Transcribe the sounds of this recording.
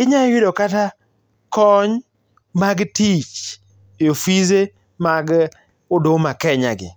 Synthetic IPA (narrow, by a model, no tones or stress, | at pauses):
ɪɲawɪdɔkata | kɔɲ | maɡtit͡ʃ | eofize | maɡ | ʊdomakɛɲaɡɪ̰